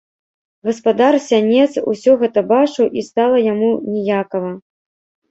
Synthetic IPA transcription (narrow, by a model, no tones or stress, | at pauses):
ɣɐspad̪arsʲanʲɛt̪sṵsʲɔɣɛt̪ɐbat͡ʂɨwʔist̪alˠɐjamunʲɛjakɐvɐ